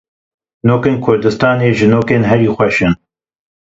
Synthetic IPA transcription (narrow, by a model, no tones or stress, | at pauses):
noːkeːnkʰʊɾd̪ɨst̪ɑːneːʒɨnoːkeːnɦɛɾiːxʷɛʃɨn